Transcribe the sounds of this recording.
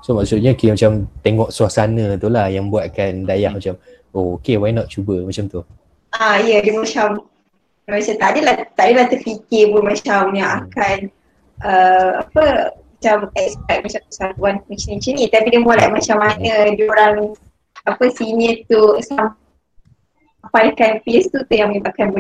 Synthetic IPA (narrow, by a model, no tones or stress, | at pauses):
somaksut̪̚ɲakemat͡ʃamt̪eŋɔksuasanə̃t̪ulahjaŋbuat̪̚kandajahmat͡ʃam | ookewajnɔt̪̚t͡ʃubəmat͡ʃamt̪u | ʔaijədəmat͡ʃam | məasat̪adəlat̪adəlaht̪əpikɪpʊnmat͡ʃamjaakan | ʔəa̰pəmat͡ʃamɛkspɛk̚mat͡ʃamp̪əsant̪uankit͡ʃnĩt͡ʃənĩt̪apidəmalaʔmat͡ʃamːanədioɾaŋ | apəsinət̪usam | apadakanpiest̪ut̪ujaŋməɲĩbaʔkanbə